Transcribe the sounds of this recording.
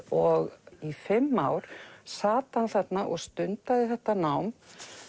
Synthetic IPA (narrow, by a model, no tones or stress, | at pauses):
ɔɣifɪmːawɾ̥saːt̪hanθɛt̪naʔɔɣst̪ʏnt̪aðɪθɛht̪anawm